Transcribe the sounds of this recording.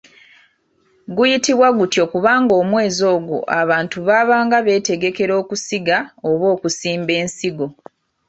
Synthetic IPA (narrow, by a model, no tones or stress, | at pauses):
ɡujitiβwaɡutjo̞kuβaːŋɡo̞ːmwe̞ːzo̞ːɡo̰ʔaβaːntuβaːβaːŋɡaβe̞ːte̞ɡe̞ke̞ɾo̞ːkusiɡaoβo̞ːkusiːmbe̞ːnsiɡo̞